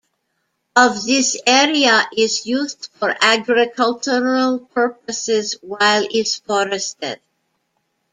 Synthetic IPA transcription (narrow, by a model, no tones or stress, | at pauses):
ʌvðɪsɛɹiəʔɪzjuzdfɔɹʔæɡɹɪkʰʌlˠt͡ʃəɹəlˠp̚ʰɜ˞p̚əsɪzwaɪlˠɪtsfɔɹɨstɪ̰d̥̚